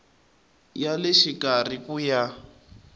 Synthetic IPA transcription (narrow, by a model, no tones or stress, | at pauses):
jalɛʃikar̤ikuja